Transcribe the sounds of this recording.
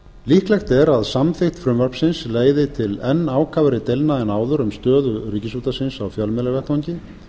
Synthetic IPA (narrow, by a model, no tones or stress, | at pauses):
lihklɛjxt̪ɛɾaðsamθɪht̪fɾʏmvœɾ̥psɪnsleːjðɪt̪ʰɪlɛnːaːwkʰaːvaɾɪt̪ejlnaɛnaːwðʏɾʏmst̪œːðʏɾiːcɪsuːt̪asɪnsawfjœlmɛlavɛht̪aɲcɪ